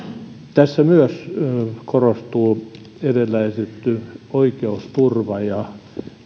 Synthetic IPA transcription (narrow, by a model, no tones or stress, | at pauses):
t̪æsːæmyøskorost̪uː | erelːæiset̪oikeust̪urʋɑjɑ